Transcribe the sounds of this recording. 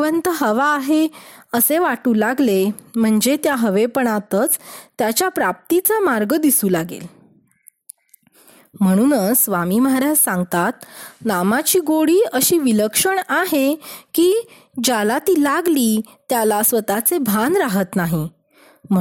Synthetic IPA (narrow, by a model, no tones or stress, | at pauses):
ʋənt̪əɦəʋaːɦeəseʋaʈuːlaɡlem̤əɳd͡zet̪jaɦəʋepəɳ̃at̪ət͡st̪jat͡ɕjapɾap̚t̪it͡samaɾɡəd̪isuːlaɡḛl | m̤əɽ̃uːnəsʋamiməɦaɾad͡ʑsãŋɡt̪at̪namat͡ɕiːɡoɽiːəɕiːʋiləkʂəɳaɦekiː | d͡ʑalat̪iːlaɡliː | t̪jalasʋət̪at͡sebʱanɾaɦət̪naɦi | m̤